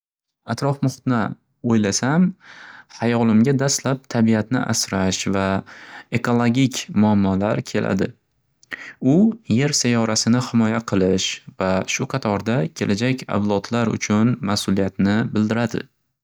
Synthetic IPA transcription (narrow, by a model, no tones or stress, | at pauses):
at̪ɾɒfmʊχɨ̥t̪na | ojlasamhajɒlˠɪmɡʲad̪ast̪lap̚t̪ʰabiat̪nɪ̰ʔa̰sɾaʃvae̞kʰolˠoɡʲikʲʰmʊamːɒlaɾkʲʰe̞lʔa̰d̪ɪ | ʊje̞ɾsajɒɾasɪnɪhɪmɒjaqʰɨlˠɪʃvaʃʊqʰɑt̪ʰɒɾd̪akʲʰe̞lʔad͡ʒakʲʰa̰wlˠɒt̪laɾʊ̰t͡ʃʰʊnmasʊlijat̪nɪbɪld̪ɪɾad̪ɪ̰